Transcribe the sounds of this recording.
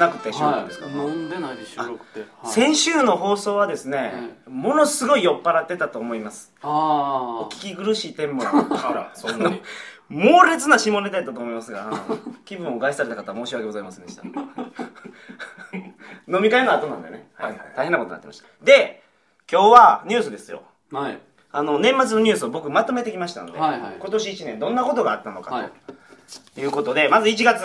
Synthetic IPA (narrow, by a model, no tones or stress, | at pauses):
nakɯ̟t̪ːeɕioã̰nd̪esɨ̥kand̪aɯ̥sẽ̞ɰ̃ɕɨːno̞ɦo̞ːso̞ːβ̞ad̪e̞sɨne̞mo̞no̞sɨɡo̞ijo̞pːaɾat̪ːe̞t̪at̪o̞ːmo̞imasɨ̥ | okʲi̥kʲiɡɯ̟ɾɯ̟ɕiːt̪ẽ̞mpo | ano | moːɾe̞t͡sɨnaɕimo̞ned̪aet̪ːat̪oːmo̞imasɨɡakʲibɯ̟̃ɰ̃o̞ɡaiisaɾe̞t̪akat̪aβamo̞ːɕiβakeɡo̞zaimasẽnd̪eɕi̥t̪a̰ | no̞mʲikaenoat̪o̞nã̰nd̪e̞nehaaaihenːakoton̰at̪ːḛmaɕi̥t̪ḁd̪e̞ | kʲo̞ːβaɲ̟ʲɨːsɨd̪esɨjo̞̰ | ano̞nẽ̞mːat͡sɨno̞ɲʲɨːsɨobo̞kɯ̟mat̪o̞me̞t̪e̞kʲimaɕi̥t̪a̰nd̪eko̞t̪o̞ɕiːt͡ɕinẽ̞nd̪õ̞nːako̞t̪o̞ɡaːt̪ːanoka̰to̰ | jɯ̟ːko̞t̪o̞d̪e̞mazɨit͡ɕiɡat͡sɨ